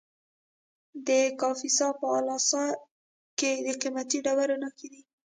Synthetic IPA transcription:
d̪əkɑfisɑpəɑlɑsɑ | ked̪əqimat̪iɖawaɾunaked̪i

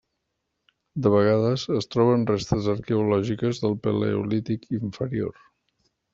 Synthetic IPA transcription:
d̪əβəɣ̞aðəzəst̪ɾɔβ̞ənrest̪əzəɾkeulɔʒikəzðəlˠpəlḛṵlit̪ikʰiɱfəɾio̰r

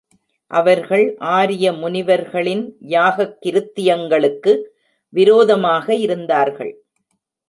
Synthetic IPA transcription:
ʔɐʋɐɾɣɐɭʔaːɾɪjɐmʊnɪʋɐɾɣɐɭɪnjaːɣɐkːɪɾɯt̪ːɪjɐŋɡɐɭɯkːɯ | ʋɪɾoːðɐmaːɣɐɪɾɯnd̪aːɾɣɐ̰ɭ

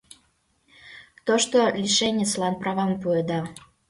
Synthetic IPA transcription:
t̪oʃt̪olʲiʃenʲet͡slɑnprɑβɑmpued̪ɑ

